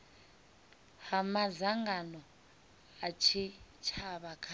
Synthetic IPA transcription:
hamazaŋɡanɔ | at͡ʃʰit͡ʃʰaβakʰa

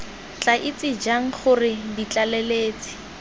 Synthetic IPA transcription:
t͡ɬʼaʔɪt͡sʼɪd͡ʒaŋ̩χʊrɪdit͡ɬalɛleːt͡sʼɪ̥

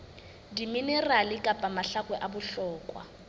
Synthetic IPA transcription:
diminɛralɪkʼapʼamaɬakʼwɛʔabʊɬɔːkʼwa̰

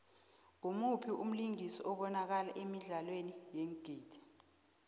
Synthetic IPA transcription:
ŋumupʰiʔum̩liŋisiʔɔɓɔnak̬alaʔemiɮalwenijeŋɡ̥ʱiːd̥ʰɛ̥

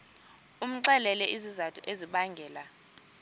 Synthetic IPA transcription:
um̩ǀɛlɛlɛʔizizatʰʼuʔeziɓaŋɡʱɛːla

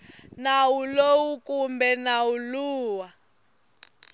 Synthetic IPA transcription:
nawulowukumbɛnawuluːwa

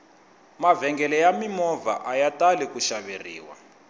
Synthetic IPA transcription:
mavɛŋɡɛlɛjamimɔva̰ʔajatalɛkuʃaβerḭːwa̰

